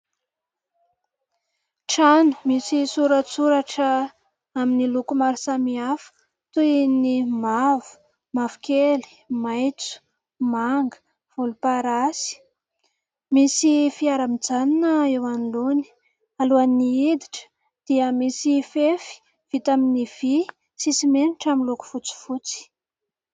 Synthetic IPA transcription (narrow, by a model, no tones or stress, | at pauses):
ʈ͡ʂanu̥misisuɾət͡suɾaʈ͡ʂə | aminilukumaɾisamiafə̥ | t̪unimavu̥ | mavukeli̥ | majt͡su̥ | maŋɡə̥ | v̥ulupaɾasi̥ | misifiaɾamid͡zaninəewaniloni̥ | aluaniid̪iʈ͡ʂə̥ | d̪̥iəmisifefi̥ | v̥it̪aminiv̥i | sisimeniʈ͡ʂaminluku̥fut͡si̥fut͡si̥